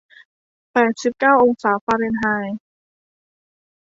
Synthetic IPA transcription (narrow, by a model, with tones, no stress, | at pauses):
pɛː˨˩t̪̚si˨˩p̚kaː˥˩wʔo˧ŋsaː˩˦faː˧ɾe˧nɦaː˧j